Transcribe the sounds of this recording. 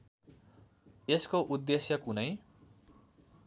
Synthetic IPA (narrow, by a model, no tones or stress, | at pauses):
eskoʔud̪ːesjʌkunʌj